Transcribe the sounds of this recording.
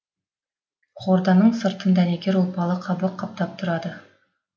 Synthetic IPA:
qʰoɾd̪ɑnəɴsə̆ɾt̪ənd̪æneɡʲeɾulˠpɑlˠɑqʰɑbɤqʰːɑp̚t̪ɑp̚t̪ʰʊɾɑd̪ə

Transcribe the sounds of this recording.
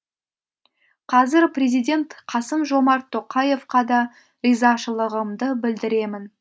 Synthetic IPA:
qʰɑzɪɾprʲe̞zijd̪ʲe̞nt̪qʰɑsəmʒo̞mɑɾt̪ʰːo̞qɑje̞fqɑd̪ɑ | əjzɑʃəlˠəʁəmd̪əbɪld̪ɪɾe̞mɪn

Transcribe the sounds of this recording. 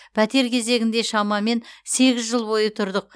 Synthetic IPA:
pʰæt̪e̞ɾkʲʰe̞ze̞ɡʲɪnd̪e̞ʃɑmɑme̞nse̞ɡʲɪzʒəlˠbo̞jət̪ʰʊɾd̪əq̚

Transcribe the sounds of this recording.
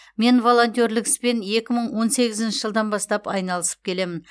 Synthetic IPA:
me̞nvo̞lˠo̞nt̪ʲoɾlɪkɪ̥spe̞ne̞kʲɪməɴwo̞nse̞ɡʲɪzɪnʃɪʒəlˠd̪ɑnbɑst̪ɑpɑjnɑlˠəsə̥p̚kʲʰe̞le̞mɪn

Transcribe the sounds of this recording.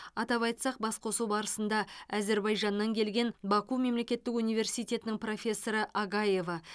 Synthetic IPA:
ɑt̪ɑpɑjt̪sɑq̚bɑsqʰo̞suwbɑɾəsənd̪ɑæze̞ɾbɑjʒɑnːɑŋkʲʰe̞lɡʲe̞nbɑkume̞mle̞kʲe̞t̪ːɪkunijve̞rsijt̪ʲe̞t̪ɪnɪŋpro̞fʲe̞sːo̞ɾəʔɑɡɑje̞vɑ

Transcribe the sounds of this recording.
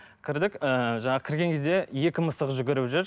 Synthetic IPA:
kʲʰɪɾd̪ɪkəʒɑɴɑʁəkʲʰɪɾɡʲe̞ŋkʲʰe̞zd̪e̞je̞kʲɪməsəʁʒʏɡʲɪɾɪʒʏɾ

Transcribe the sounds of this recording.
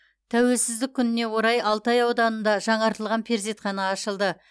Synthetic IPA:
t̪ʰæwe̞lsɪzd̪ɪkʲʰːʏnɪne̞wo̞ɾɑjʔɑlˠt̪ɑjɑwd̪ɑnənd̪ɑʒɑɴɑɾt̪əlˠʁɑnpʰe̞ɾzet̪χɑnɑːʃəlˠd̪ə

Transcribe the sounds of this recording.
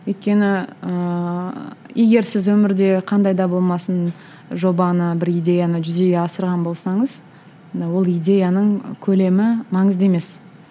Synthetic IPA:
ojt̪̚kʲe̞nɪə | je̞ɡʲe̞ɾsɪzwɵmɪɾd̪e̞qʰɑnd̪ɑjd̪ɑbo̞lˠmɑsən | ʒo̞bɑnəbɪɾijd̪ʲe̞janəʒʏze̞ɡʲe̞ɑsəɾʁɑnbo̞lˠsɑɴəz | wo̞lˠijd̪ʲe̞janəɴkʲʰɵle̞mɪmɑɴəzd̪e̞me̞s

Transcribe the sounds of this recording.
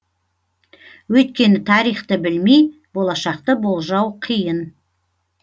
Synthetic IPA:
wɵjt̪̚kʲe̞nɪt̪ʰɑɾijχt̪əbɪlmij | bo̞lˠɑʃɑq̚t̪əbo̞lˠʒɑwqʰijən

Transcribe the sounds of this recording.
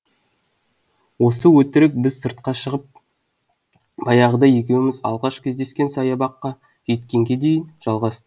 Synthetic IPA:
wo̞s̬əwɵt̪ɪɾɪk̚bɪzsəɾt̪̚qɑʃəʁəp̚ | bɑjɑʁəd̪ɑje̞kʲe̞wɪmɪzɑ̰lˠʁɑʃkʲʰezd̪e̞skʲe̞nsɑjɑbɑqːɑ | ʒe̞t̪kʲe̞ŋɡʲe̞d̪e̞jɪnʒ̥ɑlˠʁɑst̪ə

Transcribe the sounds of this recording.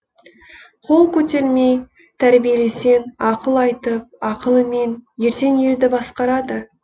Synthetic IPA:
qʰo̞lˠkʲʰɵt̪e̞ɾme̞j | t̪ʰæɾbije̞le̞se̞nɑqəlˠɑjt̪əp̚ɑqəlˠəme̞nje̞ɾt̪e̞ne̞ɾd̪ɪbɑsqɑɾɑd̪ə

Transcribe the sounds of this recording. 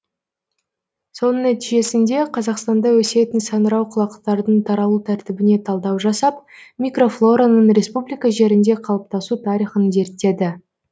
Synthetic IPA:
so̞nənæt̪iʒe̞sɪnd̪e̞qʰɑzɑqst̪ɑnd̪ɑwɵse̞t̪ɪnsɑnəɾɑwqʰʊlˠɑqt̪ɑɾd̪əɴt̪ʰɑɾɑlˠut̪ʰæɾt̪ɪbɪne̞t̪ʰɑlˠd̪ɑwʒɑsɑp̚mʲijkro̞flˠo̞ɾanənɾe̞spublʲijkɑʒe̞ɾɪnd̪e̞qʰɑlˠəp̚t̪ɑsut̪ʰɑɾijχənze̞ɾt̪ːe̞d̪ɪ

